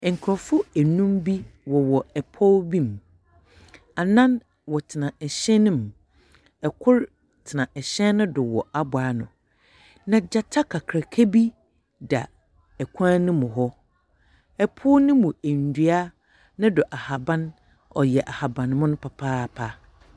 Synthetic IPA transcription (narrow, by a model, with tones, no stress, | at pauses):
ŋ̩˨kʰɾɔ˨fʊ˦æ˨nũ˦mbi˦wɔ˨wɔ˨ɛ˨pʰɔ˦wbĩ˦m | a˨nã˦n | wɔ˨tʰɪ˨nã˨ɛ˨ɕɛ˦nɪ̃˦m | ɛ˨kʰʊ˦ɾ | tʰɪ˨nã˨ʔɛ˨ɕɛ̃˦nʊ̃˦dʊ˨wɔ˨a˦bʊ˨aː˦nʊ̰̃˨ | nã˨d͡ʑa˦tʰa˦kʰa˨kʰɾa˨kʰe˦bi˦ | da̰˨ | ɛ˨kʷʰã˦nɪ̃˦mʊ̃˨ɦɔ˦ | ɛ˨pʰʊ˦nɪ̃˦mũ˨æ˨n̩˨dɥa˦ | nʊ̃˦dʊ˨ʔa˨ha˨bã˦n | ɔ˨jɛ˨ʔa˨ha˨bã˨n˦mʊ̃˦nʊ̃˦pʰa˨pʰaː˦pʰa˦